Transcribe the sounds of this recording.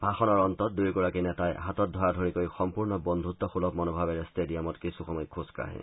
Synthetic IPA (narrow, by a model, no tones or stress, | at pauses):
bʱaxɔnɔɹɔnt̪ɔt̚dujɡɔɹakinɛtajɦat̪ɔt̚dʱɔadʱoɹikojxɔmpuɹnɔbɔnd̪ʱut̪ɔxulɔbmɔnobʱabeɹestediamɔtkisuxɔmɔjkʰuska̰ɦɛ̰